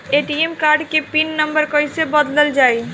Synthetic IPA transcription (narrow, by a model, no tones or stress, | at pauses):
eʈiemkaɾɖkepinːəmbəɾkəjsebəd̪ləld͡ʒaːi